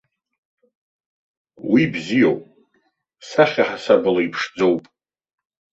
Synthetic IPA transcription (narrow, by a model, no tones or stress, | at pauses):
wibzijowpʼ | saχʲaħasabɨlaipʰʂd͡zowpʼ